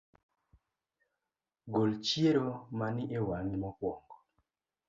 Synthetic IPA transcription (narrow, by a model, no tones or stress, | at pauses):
ɡolt͡ʃjeɾomanɪʔewaŋimɔkwɔŋɡɔ